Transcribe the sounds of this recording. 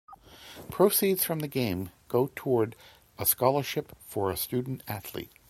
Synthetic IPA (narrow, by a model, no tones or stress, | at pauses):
pʰɹ̥oʊsidz̥fɹʌ̃mðɨɡẽɪ̃mɡ̥oʊtʰɔɹɾ | əskɑlˠə˞ʃɪpfə˞ɨstʉdⁿn̩tæθlḭt̚